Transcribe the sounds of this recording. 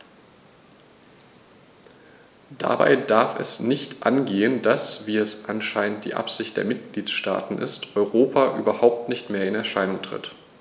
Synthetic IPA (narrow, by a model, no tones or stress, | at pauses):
d̥a̰ba̰ɪdaɐfɛsnɪçtʔa̰nɡeːəndasv̥iːɛsʔanʃaɪnənt̚d̥ḭːʔa̰pz̥ɪçt̚d̥eːɐmɪt̚ɡ̥liːt͡sʃta̰ːtn̩ʔɪ̰stʔɔʏʁoːpʰaʔyːbɐhaʊp̚tnɪçtmeːɐɪnɛɐʃaɪnʊŋtʁ̥ɪ̰t